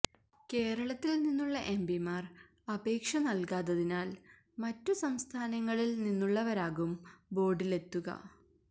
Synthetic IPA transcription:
ke̞ːɾɐɭɐt̪ːilninːuɭːɐʔembimaːr | ɐbe̞ːkʂɐnɐlkaːðɐðinaːl | mɐtːusɐmst̪ʰaːnɐŋːɐɭilninːuɭːɐʋɐɾaːɣumbo̞ːɖile̞t̪ːuɣɐ̰

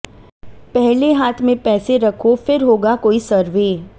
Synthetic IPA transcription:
pɛɦleɦaːt̪ʰmẽpɛːseɾɐkʰofɪɾɦoːɡakoːisɐɾʋeː

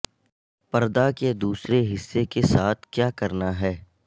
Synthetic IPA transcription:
pɐɾd̪aked̪uːsɾeɦɪsːekesaːt̪ʰkjaːkɐɾnaɦɛː

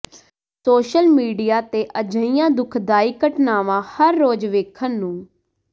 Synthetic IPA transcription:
soːʃəlmiːɖijaːt̪eːʔəd͡ʒəijãːd̪ʊkʰd̪aːiːkəʈnaːʋãːhəɾːoːd͡ʒʋeːkʰənːũː

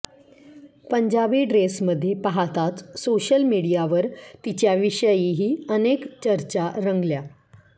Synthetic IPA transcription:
pəɲd͡ʑabiːɖɾesməd̪ʱːjepəɦat̪at̪soɕəlmiɽijaʋəɾt̪it͡ɕjaʋiʂəjiɦiːənekt͡ɕəɾt͡ɕaɾəŋɡlja

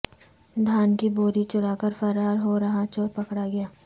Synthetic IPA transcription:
d̪ʱaːnkiboːɾit͡ʃʊɽaːkəɾfɐɾaːɾɦoːɾɐɦãt͡ʃoːɾpɐkɽaɡɐjaː

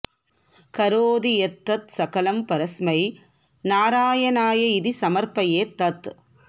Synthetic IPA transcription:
kɐɾoːðiɛt̪ːɐt̪sɐkɐlɐmpɐɾɐsmɐɪ | naːɾaːjɐnaːjɐɪðisɐmɐɾpɐjeːt̪ːɐt̪ː

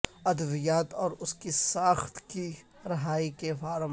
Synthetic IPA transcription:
ɐd̪əʋijaːt̪ɔːɾʊskisaːxt̪ki | ɾɐɦaːikefaːɾm

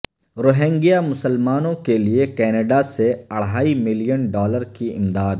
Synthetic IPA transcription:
ɾoːɦɛ̃ːŋɡijamʊsəlmaːnõkeliekɛːnəɖaseɐɽ̤aːimɪljənɖɔːləɾkiɪ̰md̪aːd̪

